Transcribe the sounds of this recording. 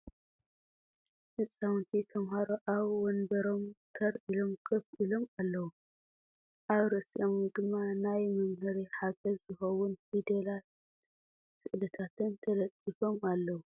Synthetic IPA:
ʔɨsʼawnt̪ʰit̪ʰɐmhaɾoʔaβwɔnbɐɾo̞mk̪ʰɐɾʔilo̞mkʰɐfilo̞malːɐwu | ʔaβɾɨsʼiʔomd̪ɨmːanajmɐmhɨɾiħaɡɐzzɨxɐwunfid̪elat̪ | sɨʔlɐt̪ʰat̪ʰɨnt̪ʰɐlɐt̪ʼːifo̞malːɐwu

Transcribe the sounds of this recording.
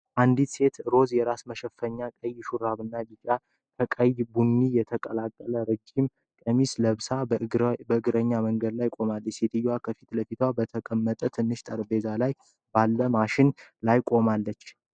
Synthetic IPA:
ʔand̪it̪se̞t̪ɾo̞zjɛɾasməʃɛfːəɲːakʼəjʃuɾaβɨnːabit͡ʃʼa | kʰəkʼəjbunːijɛt̪ʰəkʼəlakʼːələɾəd͡ʒim | kʼəmisləβsabəɨɡɨɾəɲːaməŋɡəd̪lajkʼo̞malːət͡ʃːset̪ʰɨjwakʰəfit̪ləfit̪ʰwabət̪ʰəkʼəmːət̪ʼət̪ʰɨnːɨʃt̪ʼəɾbe̞zalaj | balːəmaʃɪnlajkʼo̞malːət͡ʃː

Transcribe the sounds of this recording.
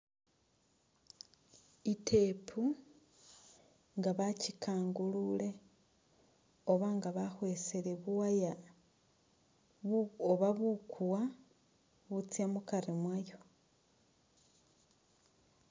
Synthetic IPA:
itʰe̞pʰu | ŋɡaβacikaːŋɡulule̞ | oβaŋɡaβaxwe̞seleβuwaja | oβaβukʰuwa | βut͡sjamukaɾimwajo̞

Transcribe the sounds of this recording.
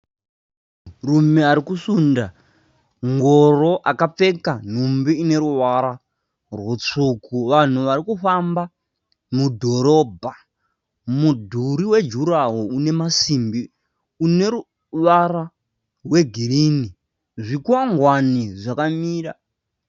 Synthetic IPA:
rume̞aɾikusunda | ŋɡo̞ro̞ʔakap͡fe̞kan̤umbiine̞ɾuʋaɾa | rwut͡ʂukuʋan̤uʋaɾikuɸamba | mudʱo̞ɾo̞ːbʱa | mudʱuɾiwe̞d͡ʒuɾaɦoune̞masimbi | une̞ɾu | ʋaɾa | we̞ɡʱiɾini | ʐikuwaŋɡwaniʐakamiːra

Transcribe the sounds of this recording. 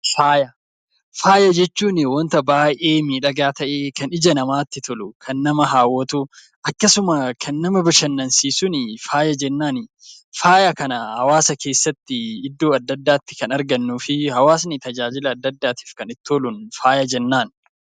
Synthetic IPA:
faːjɐ | faːjɐd͡ʒɛt͡ʃːuːnɪwɔnt̪ɐbaːʔeːmiːᶑɐɡaːt̪ɐʔeːkɐnɪd͡ʒɐnɐmaːt̪ːɪt̪ʰɔlʊkʰɐnːɐmɐɦaːwɔt̪ʊ | ʔɐkːɐsʊmɐkʰɐnːɐmɐbɪʃɐnːɐnsiːsʊnɪfaːjɐd͡ʒɛnːaːnɪ | faːjɐkɐnɐhɐwaːsɐkʰe̞ːsːɐt̪ːɪɪd̪ːoːɐd̪ːɐd̪ːaːt̪ːɪ̥kɐnɐɾɡɐnːuːfɪhɐwaːs̬nɪt̪ɐd͡ʒaːd͡ʒɪlɐːd̪ːɐd̪ːaːt̪i̥ːfkɐnɪt̪ːoːlʊnfaːjɐd͡ʒɛnːaːn

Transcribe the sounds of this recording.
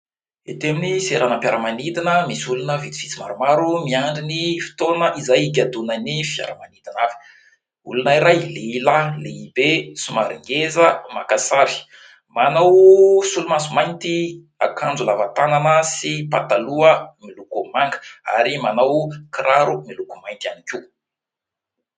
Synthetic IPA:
et̪eminiseɾanampjaɾəmanid̪inəmisulunəvit̪i̥vit͡sima̰ɾumaɾumiaɳɖ͡ʐinifi̥t̪onəʔizajik̬ʲad̪unanifja̰ɾəmanid̪inavi̥ | ulunaiɾajleilaleibesumaɾiŋɡezəmakasaɾi̥ | manawsulumansumajnt̪i | akand͡zulavat̪ananəsipat̪aluəmilukumaŋɡə̥a̰ɾimanawkiɾaɾumilukumajnt̪ianikʲi

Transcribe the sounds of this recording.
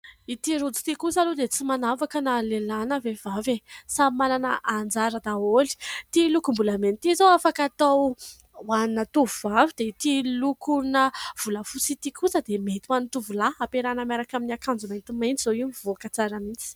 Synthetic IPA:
it̪iɾud͡zu̥t̪ikusalod̪et͡simanavakənalelanəvevavesamananəʔand͡zaɾəd̪aoli̥t̪ilukumbulament̪izowafakat̪aw | wannət̪uvuvavid̪̥eit̪ilukuɾunəv̥uləfusit̪ikusəd̪emet̪iwanit̪uvulaapeɾanəmaɾakaminakand͡zumajnt̪imajnt͡sizoiunivokət͡saɾəmit͡si̥

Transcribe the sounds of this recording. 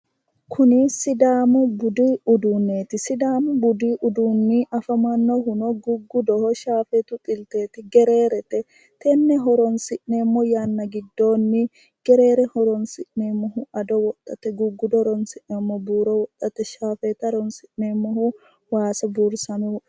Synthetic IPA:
kʰʊnɪsɪd̪aːmʊbʊd̪iːʊd̪uːnːeːt̪ɪsɪd̪aːmʊbʊd̪iːʔʊd̪uːnːiʔɐfɐmanːoɦʊnɔɡʊɡːʊd̪ɔhɔʃaːfɛt̪ʊt̪ʼɪlt̪e̞ːt̪ɪɡɛɾe̞ːɾɛt̪ɛ | t̪ʰɛnːɛɦɔɾɔnsɪʔneːmːɔjaːnːɐɡɪd̪ːo̞ːnːɪ | ɡ̥ɛɾe̞ːɾɛhɔɾɔnsɪʔnemːɔɦuʔɐd̪ɔwɔt̪ʼːɐt̪ɛɡʊɡːʊd̪ɔɾɔnsɪʔnemːɔbuːɾɔwɔt̪ʼːɐt̪ɛʃaːfeːt̪ɐd̪ɔnsɪʔneːmːɔɦu | waːsɐbuɾsɐnu

